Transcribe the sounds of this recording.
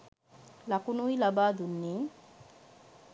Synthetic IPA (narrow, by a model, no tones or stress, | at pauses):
lakunujlabad̪unːi